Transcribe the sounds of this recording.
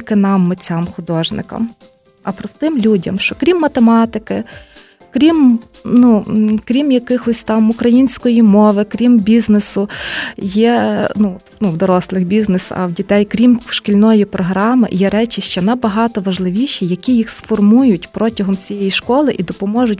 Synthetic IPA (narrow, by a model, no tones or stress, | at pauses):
lʲkɪnɑmːet͡sʲamxʊd̪ɔʒnɪ̰kɐ̰m | ɐpɾɔst̪ɪmlʲudʲɐ̰mʃt͡ʃɔkɾʲimːɐt̪emɑt̪ɪkɪ | kɾʲim | nukɾʲimjɐkɪxɔsʲt̪ɑmʊkɾɐjinʲsʲkɔjimɔʋɪkɾʲimbʲiznɪsʊjɛnuɔt̪nuwd̪ɔɾɔslˠɪxbʲiznɪsɐ̰wdʲit̪ɛjkɾʲimʃkʲilʲnɔjipɾɔɦɾɑmɪ̰jɛɾɛt͡ʃiʃt͡ʃɛnɐbɐɦɑt̪ɔʋɐʒlˠɪʋʲiʃijɐkʲijixsfɔrmujʊtʲpɾɔtʲɐɦɔmt͡sʲijɛjiʃkɔlˠɪʔid̪ɔpɔmɔʒʊt̚ʲ